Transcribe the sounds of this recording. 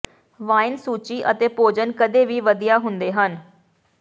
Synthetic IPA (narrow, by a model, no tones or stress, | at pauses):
ʋaːɪnsuːt͡ʃiːʔət̪eːpoːd͡ʒənkəd̪eːʋiːʋəd̪ijaːɦʊnd̪eːɦən